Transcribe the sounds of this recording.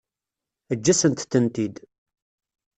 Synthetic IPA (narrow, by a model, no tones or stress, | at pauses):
əd͡ʒːæsənt̪θənt̪id̪